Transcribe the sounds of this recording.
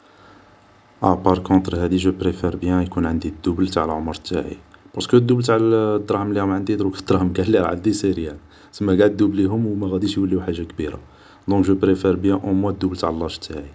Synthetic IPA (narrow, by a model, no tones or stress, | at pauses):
ʔæpɑɾˤkɔ̃t̪ɾɦæd̪iʒəpɾefɛɾbjæ̃jkunʕənd̪id̪ːublt̪aʕəlʕomɾˤt̪ːaʕḭpɑɾˤskəd̪ːublt̪aʕld̪ːɾˤɑħmlihʊmʕənd̪id̪ɾukəd̪ɾɑhmɡælːiɾʕa̰d̪iseɾjæl | səmːæɡaʕd̪ːubliɦʊmwmæɣæd̪iʃjwəlːiwħaʒːakbiɾa̰ | d̪ɔ̃kʒəpɾefeɾbjæ̃ʔomwæd̪ːublt̪aʕlˤːɑʃt̪aʕi